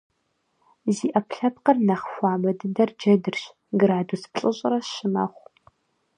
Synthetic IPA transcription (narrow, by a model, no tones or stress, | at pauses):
ziːʔɐpɬɐp̚qɐrnɐχxʷɑːmɐdɨndɐrd͡ʒɐdɨrɕ | ɡɨɾaːduspɬʼɨɕʼɪrɐʃɪmɐ̰χʷ